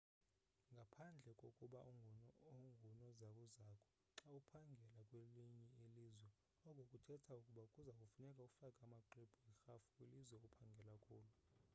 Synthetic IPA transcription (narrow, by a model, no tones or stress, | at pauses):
ŋɡʱapʰand͡ɮʱɛkʼokʼuɓaŋoŋɡʱunɔzakʼuzakʼʰɔ̥ | ǁaupʰaŋɡʱɛlakʼweliɲɛilizwɛ | ɔkokʼutʰɛtʰaukʼuɓakʼuzakʼufunɛkʼaukʼu̥fakʼamaǃib̥ʱuixafu̥kʼwilizwɛokʼupʰaŋɡʱɛlakʼuːlu